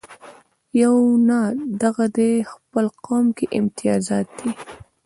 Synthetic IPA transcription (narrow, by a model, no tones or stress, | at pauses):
jawnad̪aɣad̪expəlqɑmkeʔɪmt̪ɪjɑzɑt̪̚d̪i